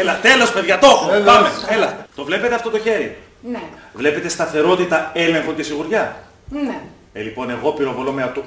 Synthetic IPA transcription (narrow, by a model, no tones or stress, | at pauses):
elɐt̪e̞lo̞speðʝɐt̪o̞xopɐmeelɐet̪o̞vle̞pe̞t̪eɐft̪o̞t̪o̞çe̞ɾi | vle̞pe̞t̪e̞st̪ɐθe̞ɾo̞t̪it̪ɐe̞le̞ŋxo̞ce̞siɣuɾʝɐ | elipo̞ne̞ɣo̞piɾo̞volomeɐt̪u